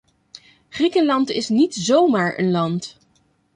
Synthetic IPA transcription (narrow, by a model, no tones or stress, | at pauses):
χrikənlɑntɪsnitzowmaːɹə̰nlɑnt